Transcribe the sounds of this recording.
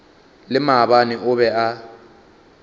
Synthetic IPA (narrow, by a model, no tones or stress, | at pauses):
lɪmaβanɪʔʊβɛa